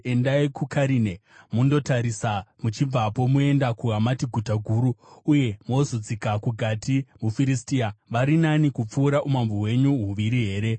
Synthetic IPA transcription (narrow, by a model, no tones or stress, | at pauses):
e̞ndaikukʰaɾinemundo̞taɾisamut͡ʃib͡vapo̞mue̞ndakuɦamatiɡʱutaɡʱuːɾuːje̞mozod͡zikakuɡʱatimufiɾistiaʋaɾinanikup͡fuːɾaʔumamboɦwe̞ɲuɦuʋiɾiɦe̞ːɾe̞